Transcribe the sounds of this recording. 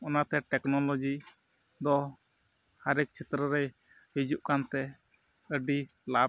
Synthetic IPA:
ɔnat̪ɛʈɛknɔlɔd͡ʒi | d̪ɔ | haɾɛk̚t͡ʃʰɛt̪ɾəɾɛ | ɦid͡ʒuʔkant̪ɛ | əɖi | lab̚

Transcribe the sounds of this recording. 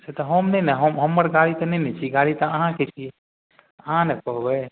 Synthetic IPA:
set̪ɔɦəmnɛnɛɦəmɦəmːəɾɡaɽit̪ɔnɛnɛt͡ʃʰiɡaɽit̪ɔəɦãket͡ʃʰi | əɦãnɛpɔɦbɛ

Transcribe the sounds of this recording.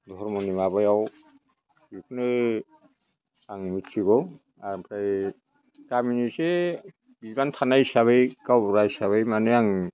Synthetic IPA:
d̪ʱɔɾmɔnimabajaw | ikʰne | aŋmitsiɡɔ | apʰɾaj | kaminise | bizbant̪ʰanajsaβejkawɾajsaβajmaneaŋ

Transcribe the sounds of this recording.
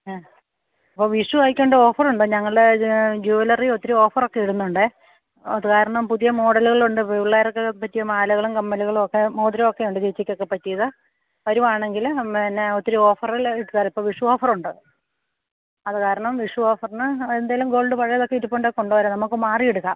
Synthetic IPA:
ipːoːʋiʂuʋaːjikʲːɐɳɖeo̞ːfɐruɳɖɨɲɐŋːɐɭɨɖed͡ʑuːɐlɐriot̪ːiɾuo̞ːfɐro̞kːe̞iɽunːuɳɖɨ | ɐ̰ðɨkaːɾɐɳɐmpuðijɐmo̞ːɽɐluɣɐɭuɳɖɨpejuɭːaːɾokːepːɐtːijɐmaːlɐɣɐɭumkɐmːɐluɣɐɭuokːemoːd̪ɾɐmokːejuɳɖɨt͡ɕet͡ɕːikʲːo̞kːe̞pɐtːijɐðɨ | ʋɐɾumaːɳe̞ŋɡilinːeot̪ːiɾuo̞ːfɐriliʈːkːaːipːoʋiʂuo̞ːfɐruɳɖɨ | ɐðɨkaːɾɐɳɐmʋiʂuo̞ːfɐrnɨend̪aːjalumɡo̞ːlɖɨpɐɻɐjɐðo̞kːeiɾupːoɳɖekoɳɖuʋɐɾɐmnɐmukːɨmaːrijeɽukːa̰ːm

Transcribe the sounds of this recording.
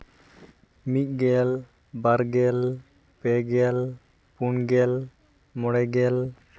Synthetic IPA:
miʔ̪̚ˀɡɛl | baɾɡɛl | pɛɡɛl | punɡɛl | mɔɽɛɡɛl

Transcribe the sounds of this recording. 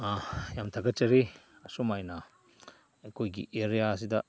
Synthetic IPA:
ajamtʰɐɡɐt͡ʃɐɾiɐsumajnɐ | ɐjkʰojɡḭʔeɾijaɐs̬idɐ

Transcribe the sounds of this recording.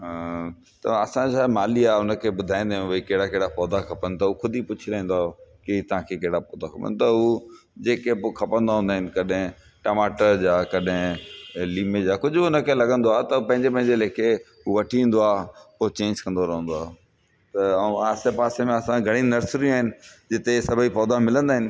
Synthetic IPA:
ɦ | t̪ɐ̰ɐsãd͡ʑaːmaːliaːʊnə̆kʰeːbʊd̪ʱaːĩnd̪aːɦɪnɐikeɦɪɽakeɦɪɽafɔːd̪akʰɐpən̆t̪ɐukʰʊd̪ʱipʊt͡ɕʰilaːĩːnd̪oaːkit̪ɐʋ̤ãkʰeːkɐɦɪɽapɔːd̪akʰɐpə̰nt̪ɐɦu | d͡ʑeːkepokʰɐpə̃nd̪aɦũːnd̪aːɦɪnɪ̆kɐɗɦɪ̃ | ʈɐmaːʈəɾd͡ʑaːkɐɗɦɪ̃liːmed͡ʑaːkʊd͡ʑʱʊbʊnəkʰelɐɡə̃nd̪oaːɦt̪ɐpɐ̃ɦɪ̃ɲd͡ʑepɐ̃ɦɪ̃ɲd͡ʑeleːkʰe | ɦuʋɐʈʰiĩːn̆d̪oaːpot͡ɕẽːɲd͡ʑkɐ̃nd̪oɾɐɦə̃nd̪oaːɦ | t̪ɐaːsepaːsemẽɐsãɡʱɐɽ̃ĩnɐɾsɾijũaːɦɪnɪ̆d͡ʑɪt̪esɐbʱipɔːd̪amɪlə̃nd̪aːɦɪnɪ̆

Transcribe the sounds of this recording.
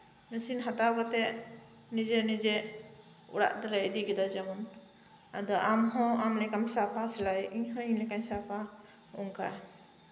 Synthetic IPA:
mɛsinɦat̪aɡɔt̪ɛʔ | nid͡ʒɛnid͡ʒɛʔ | ṵɽa̰ʔd̪aɾaid̪iɡɛd̪ɔd͡ʒamɔn | a̰d̪ɔʔamɦɔ̃amlɛkamsapasɛlajiɲɦɔ̃iɲlɛkaɲsapa | uŋka̰

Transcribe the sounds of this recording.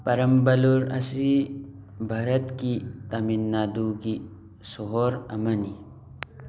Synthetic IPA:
pɐɾɐmbɐluɾɐ̰si | bʱɐɾɐt̪kit̪ɐminːaːd̪uki | soɦoɾɐ̰mɐni

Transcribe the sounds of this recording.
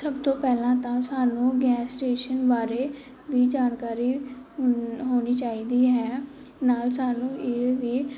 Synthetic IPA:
səbt̪õːpɛːlãːt̪ãːsaːnũːɡɛːsʈeːʃənbaːɾeː | ʋiːd͡ʒaːnkaːɾiː | ɦoːniːt͡ʃaːiːd̪iːɦɛː | naːlsaːnũːɪʋiː

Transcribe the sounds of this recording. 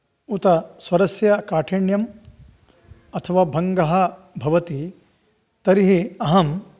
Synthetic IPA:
ut̪ɐsʋɐɾɐsjɐkaːʈʰeːɳjɐm | ɐt̪ʰɐʋaːbʱɐŋɡɐɦɐ | bʱɐʋɐt̪i | t̪ɐɾiɦiɐɦɐm

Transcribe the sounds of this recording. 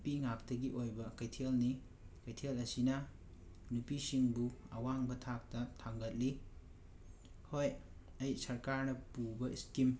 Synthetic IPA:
piŋak̚tɐɡiʔojbɐkɐjtʰelni | kɐjtʰelɐsinɐ | nupisiŋbuɐwaŋbɐtʰak̚tɐtʰaŋɡɐt̚li | hoj | ɐjsɐɾkaɾnɐpubɐiskim

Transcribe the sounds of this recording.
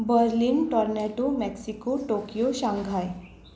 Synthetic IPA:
bəɾlinʈɔɾnɛʈomɛksikoʈokijoɕãŋɡʱaj

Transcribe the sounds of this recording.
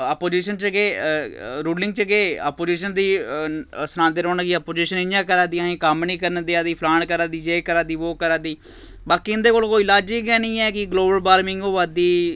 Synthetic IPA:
apoːd͡ʒiːʃənt͡ʃəɡeː | ɾuːlɪ̃ŋɡ̚t͡ʃəɡeːa̰ːpoːd͡ʒiːʃənd̪iː | sɾãːnd̪eːɾõːnãːkiːapoːd͡ʒiːʃənɪnjãːkəɾãːd̪iːaɦẽːkəmnĩːkəɾnəd̪iːaːd̪iːpʰlaːɳkəɾãːd̪iːd͡ʒeːkəɾãːd̪iːʋoːkəɾãːd̪iː | baːkiːɪnd̪eːkoːlkoːiɪlaːd͡ʒiːɡɛːnĩːɛːkɪɡloːbəlbaːɾmɪ̃ŋɡoːʋaːd̪iː

